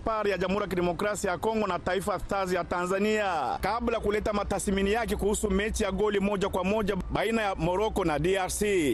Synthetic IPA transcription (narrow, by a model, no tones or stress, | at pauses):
faɾijaʄamhuɾijak̬iɗɛmɔkɾasiajakɔŋɡɔnataifaθazijatanzaniakablajkulɛtamataθminijak̬ɛkuhusumɛt͡ʃijaɡɔlimɔʄakwamɔʄaɓainajamɔɾɔkɔnadiaɾsi